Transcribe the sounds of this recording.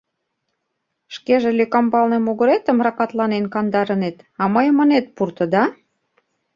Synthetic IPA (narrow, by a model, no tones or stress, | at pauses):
ʃkeʒelykɑmbɑlnemuɣə̆ɾet̪ə̆mrɑkɑt̪lɑnenkɑnd̪ɑɾə̆net̪ɑməjmənet̪̚purt̪ə̆d̪ɑ